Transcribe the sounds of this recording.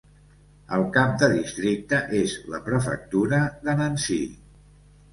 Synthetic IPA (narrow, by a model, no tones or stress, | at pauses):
əlˠkap̚d̪əðist̪ɾik̚t̪əʔezlə̰pɾəfə̰k̚t̪uɾəðənənsḭ